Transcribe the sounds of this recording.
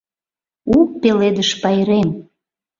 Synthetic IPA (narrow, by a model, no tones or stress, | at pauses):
uk̚peled̪əʃpɑjɾem